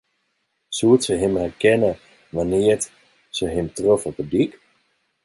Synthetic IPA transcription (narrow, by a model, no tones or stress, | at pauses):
suətsəɦɪmhɛrkɛnə | ʋanɪərt | səɦɪmtrofɔpədik